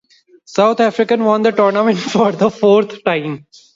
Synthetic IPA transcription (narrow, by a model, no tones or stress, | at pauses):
saʊt̪ʰæːfɾɪkə̃nʋɔ̃ːnd̪əʈɔːɾnəmɛ̃ɳʈfɔːɾd̪əfoːɾt̪ʰʈãɪ̃m